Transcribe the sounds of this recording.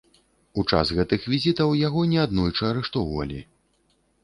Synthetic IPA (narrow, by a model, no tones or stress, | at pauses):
ut͡ʂa̰sɣɛt̪ɨxvʲizʲit̪ɐwjaɣɔnʲɛad̪nɔjt͡ʂɐaɾɨʂt̪ɔwvɐ̰lʲḭ